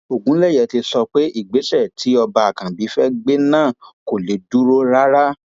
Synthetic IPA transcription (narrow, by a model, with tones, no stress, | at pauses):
o˨ɡũ˨˦lɛ˦˨jɛ˧˨ti˧sɔ˧k͡pe˦i˦˨ɡ͡be˨˦ʃɛ˦˨tʰi˨˦ɔ˧ba˧a˨kã˨bi˨˦fɛ˦ɡ͡be˦nãː˦˨ko˨le˨˦du˦ɾo˦ɾa˦ɾa˦